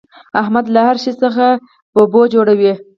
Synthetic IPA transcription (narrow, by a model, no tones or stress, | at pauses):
ahmad̪lahaɾʃisəxa | pəbod͡ʒoɽawi